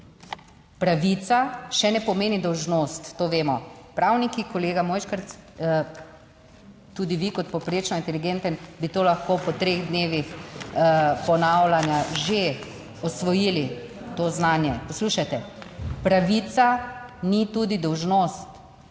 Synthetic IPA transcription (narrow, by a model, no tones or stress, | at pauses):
pɾaʋit̪saʃɛnɛpɔmeːnid̪ɔwʒnost̪ːoːʋeːmɔpɾawnikikɔleːɡamoːjʃkəɾt̪s | t̪ud̪iʋikɔt̪̚pɔpɾeːt͡ʃnɔint̪ɛliɡent̪ənbit̪oːlaxkopɔt̪ɾeːɣd̪neːʋix | pɔnawlanjaʒe | ɔsʋɔjilit̪oznaːnjɛpɔsluːʃat̪ɛpɾaʋit̪sanit̪uːd̪id̪ɔwʒnost̪